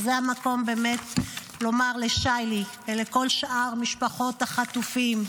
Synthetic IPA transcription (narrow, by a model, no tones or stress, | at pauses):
zeamako̞mbe̞ːme̞t | lo̞maʁleʃajliveleko̞lʃʔaʁmiʃpaχo̞taχatufim